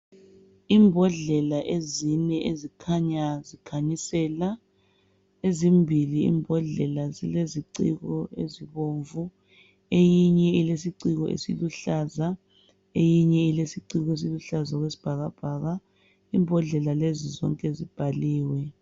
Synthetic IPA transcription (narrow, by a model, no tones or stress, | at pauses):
iːmbʱɔɮɛlaʔezinɛʔezikʰaɲazikʰaɲisɛla | ezimbʱiliḭmbʱɔɮɛlazileziǀiɣɔeziβoːɱvu | ejiɲɛilesiǀiɣɔ̰ʔḛsiluɬaza | ejiɲɛilesiǀiɣɔes̬iluɬazaɣwesi̥b̥ʱaɣab̥ʱaːɣa | iːmbʱɔɮɛlalezizɔ̰ŋkʼɛzib̥ʱaliːwɛ